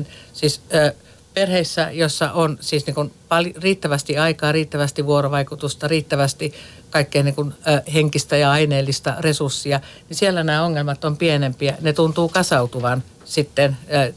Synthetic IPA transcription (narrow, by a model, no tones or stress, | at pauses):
nsiːsː | perheisːæjosːɑ̰ʔonsiːsniːŋkunpɑlriːt̪ːæʋæst̪iɑikɑːriːt̪ːæʋæst̪iʋuoroʋɑikut̪ust̪ɑriːt̪ːæʋæst̪i | kɑikːeiniːŋkunːheŋkist̪æjɑɑineːlːist̪ɑresursːiɑnisielːænæːoŋːelmɑt̪ːompienempiænet̪unt̪uːkɑsɑut̪uʋɑn | sit̪ːenː